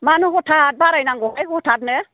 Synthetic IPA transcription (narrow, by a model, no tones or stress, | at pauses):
manuɡɔtʰat̚baɾajnaŋɡɔɦajɡɔtʰatnɛ